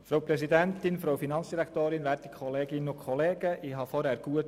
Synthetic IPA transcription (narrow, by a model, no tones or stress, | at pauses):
fɾoʊpɾɛsidɛntɪnfɾowfinɑnt͡sd̥iɾækt̪oːɾɪnʋæːɾti̥kʰɔleːɡɪnʊkʰɔleːɡ̥əʔɪɦɑfɔɾhæːɾɡ̥uət